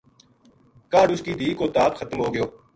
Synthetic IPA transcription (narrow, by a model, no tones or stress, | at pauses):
kaːɖʊskiːd̪ʱiːkoːt̪aːpxʰət̪mɦoːɡɪjoː